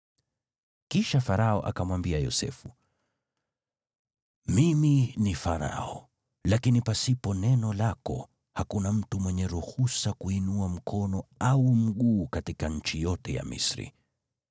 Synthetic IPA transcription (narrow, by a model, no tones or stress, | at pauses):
kiʃafaɾaɔʔakamwambiajɔ̰sɛ̰fu | miminifaɾa̰ɔ | lakinipasipɔnɛnɔlakɔ̰ | hakunam̩tumwɛɲɛɾuhusakuinuam̩kʰɔnɔaum̩ɠuːkatikaɲ̩t͡ʃijɔtɛja̰mḭsɾḭ